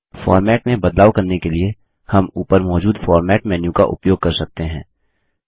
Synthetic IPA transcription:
fɔ̰ːɾmɛːʈmẽbɐd̪laːwkɐɾnekelie | hɐmuːpəɾmɔːd͡ʒuːd̪faːɾmɛːʈmɛːnjũka̰ʔʊ̰pjoːɡ̚kɐɾsɐk̚t̪eɦɛ̃ː

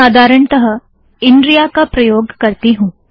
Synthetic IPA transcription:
aːd̪ʱaːɾəɳt̪ɐɦə | ɪ̃ɳɖɾijakapɾɐjoːɡkɐɾt̪iɦũː

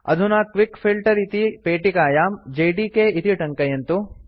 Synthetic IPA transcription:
ɐ̰d̪ʱunaːkʋikfʰilʈɐɾit̪ipeːʈikaːjaːmd͡ʒeːjɖiːkeːit̪iʈɐŋkɐjɐnt̪u

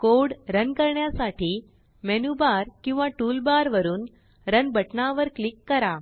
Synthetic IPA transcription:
koɽɾənkəɾɳjasaʈʰiː | mɛnubaɾkĩw̃ʋaʈulbaɾʋəɾuːn | ɾənbəʈnaʋəɾklikːəɾa

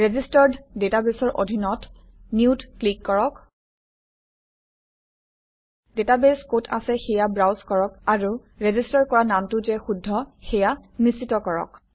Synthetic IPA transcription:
ɹezistɔɹdːetabesɔɹʔodʱinɔt | niutklikːɔɹɔk | detabeskotʰa̰sɛxɛjabɹawskɔɹɔkaɹu | ɹezistaɹkɔɹanamtʊzɛxudʱːɔxɛjanisitɔkɔɹɔ̰k

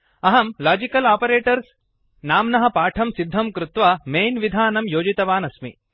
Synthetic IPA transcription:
ɐɦɐmlaːd͡ʒikɐlaːpɐɾeːʈɐɾs | naːmnɐɦɐpaːʈʰɐmsid̪ʱːɐmkɾut̪ʋaːmeːnʋid̪ʱaːnɐmjoːd͡ʒit̪ɐʋaːnɐsmḭ

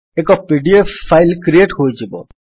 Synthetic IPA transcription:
ekɔpiɖiefːajlkɾieʈɦojd͡ʒebɔ̰

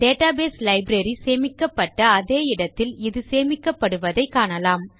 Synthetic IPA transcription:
ɖeːʈaːbeːslɐɪbɾɐɾiseːmɪkːɐpːɐʈːɐːðeːɪɽɐt̪ːɪlɪðɯseːmɪkːɐpːɐɽɯʋɐðɐɪkːaːɳɐlaːm

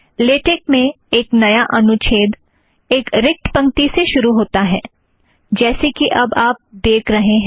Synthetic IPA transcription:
leːʈek̚mẽ | eːknɐjaʔɐnʊt͡ʃʰeːd̪ | eːkɾɪk̚ʈpɐ̃ŋkt̪iseʃʊɾuɦoːt̪aɦɛː | d͡ʒɛːsekiʔɐbaːp̚d̪eːkʰɾɐɦeɦɛ̃

